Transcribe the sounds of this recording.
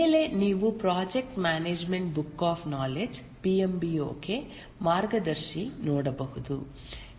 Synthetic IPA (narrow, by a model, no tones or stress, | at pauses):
eːle̞niːʋupɾaːd͡ʒek̚ʈmaːneːd͡ʒmeɳʈ̚bukːaːpʰnaːled͡ʒ | piːembio̰ːke | maːɾɡɐd̪ɐɾʃinoːɽɐbɐɦud̪u